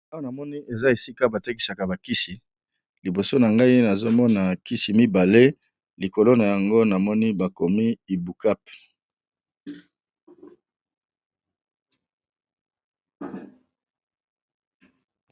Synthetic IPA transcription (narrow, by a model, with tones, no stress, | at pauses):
a˦wa˦˨na˨mɔ˦ni˦e˨za˦e˨si˦ka˦ba˨te˦ki˨sa˨ka˨ba˨ki˦si˨ | li˨bo˨so˦na˨ŋɡa˦i˦na˨zo˦mɔ˦na˨ki˦si˨mi˦ba˨le˦ | li˨ko˨lo˦na˨ja˨ŋɡo˦na˨mɔ˦ni˦ba˨ko˨mi˦i˨bu˨ka˦p